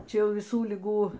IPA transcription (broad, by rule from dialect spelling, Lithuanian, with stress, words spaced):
ˈt͡ʃʲɛ ˈjɛʊ ʋʲɪˈsuː lʲɪˈɡuː